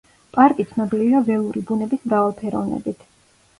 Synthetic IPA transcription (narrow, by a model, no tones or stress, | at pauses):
pʼaɾkʼit̪sʰnɔbiliviavɛlˠuɾibunɛbismɾavalˠpʰɛɾɔ̰vnɛ̰bit̪ʰ